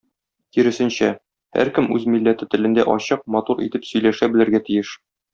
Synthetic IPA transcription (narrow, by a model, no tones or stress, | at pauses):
kiɾɘ̆sɘ̆nɕæ | hæ̰ɾkɘmʉzmilːæt̪ɘt̪ɘ̆lɘ̆nd̪æʔɒɕɤq̚mɒt̪uɾʔḭt̪ɘpsɵ̆jlæʃæbɘ̆lɘ̆ɾɡæt̪ijɘʃ